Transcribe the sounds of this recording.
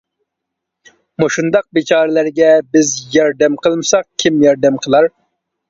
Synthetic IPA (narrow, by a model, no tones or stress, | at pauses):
moʃund̪ɑq̚bet͡ʃʰɑːɾɪlæɾɡʲɛbɪzjɑɾd̪ɛmqʰəlˠmɨsɑq̚kʲʰimjɑɾd̪ɛmqʰəlˠɑɾ